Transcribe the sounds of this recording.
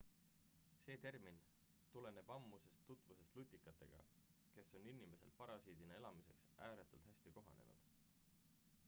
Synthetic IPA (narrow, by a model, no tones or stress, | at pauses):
se̞ːt̪e̞rmin | t̪ule̞ne̞b̥ɑmːuse̞st̪ːut̪ːˑvuse̞st̪lut̪ʲːˑikːˑɑt̪ːˑe̞̰ɡ̥ɑ̰ke̞sːo̞ninime̞se̞̰lpɑɾɑsiːd̪̥inɑe̞lɑmise̞̰ksæːɾet̪ːˑult̪hæsʲt̪iko̞ɦɑ̰ne̞̰nṵd̪̥